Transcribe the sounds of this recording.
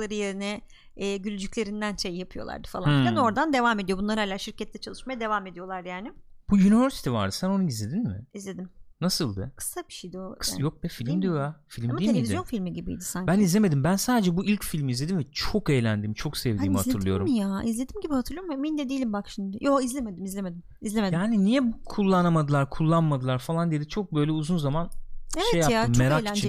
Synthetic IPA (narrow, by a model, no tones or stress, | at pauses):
lˠaɾɯjeɾinɛː | ɟylʲyd͡ʒyclʲe̞ɾind̪ænʃejːjapʰɯjo̞lˠa̰ɾd̪ɯ̥falˠanano̞ɾd̪and̪e̞vaːme̞d̪ijo̞bunlˠaɾalʲaɾʃiɾcɛt̪lːʲɛt͡ʃʰalˠɯʃmajad̪e̞vaːme̞d̪ijo̞lˠaɾjaːnɪb̥ujynivøɾsi̥t̪ʰiva̰ɾd̪ɯsæno̞nuizlʲe̞d̪inmɪ̰izlʲe̞d̪imnasɯlˠd̪akʰɯ̥sabiʃijd̪osjok̚d̪ɛfilʲimd̪ijojafilʲmd̪imievizjonfilʲmiɟibḭd̪ɪsaɲbænizlʲeme̞d̪imbænsaːd̪e̞d͡ʒɛbuilʲcfilʲmizlʲe̞d̪iɱvɛt͡ʃʰo̞kejlʲænd̪iːmt͡ʃʰo̞ksɛvd̪iːmhat̪ʰɯɾlˠɯjo̞ɾumjaizlʲed̪imɟibihat̪ʰɯɾlˠɯjommind̪ɛd̪ijːlʲimbakʃimd̪ɪjoizlʲeme̞d̪imizlʲemed̪im | izlemejaːninijɛbukʰulˠːanamad̪ɯlˠaɾkʰulˠːanmad̪ɯlˠaɾfalˠand̪ijed̪it͡ʃʰo̞k̚bø̞jlʲɛuzunzamaneʃvɛejaaɯmmːeɾakit͡ʃʰi